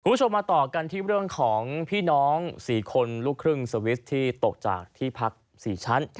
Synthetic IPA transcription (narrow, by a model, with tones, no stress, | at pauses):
kʰuː˧mbt͡ɕʰo˧mːaː˧t̪ɔː˨˩ka˧nt̪ʰiː˥˩ɾɯ˥˩əŋkʰɔː˩˦ŋpʰiː˥˩nɔː˦˥ŋsiː˩˦kʰo˧nluː˥˩kʰɾɯ˥˩ŋsəɤː˧wi˦˥st̪ʰiː˥˩t̪o˨˩k̚t͡ɕa̰ː˨˩k̚t̪ʰiː˥˩pʰa˦˥k̚ | siː˩˦t͡ɕʰa˦˥n